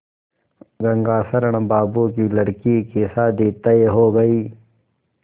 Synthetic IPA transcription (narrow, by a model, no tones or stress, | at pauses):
ɡɐŋɡaːsɐɾəɽ̃baːbukilɐɽkikisaːd̪iːt̪ɐeɦoːɡɐiː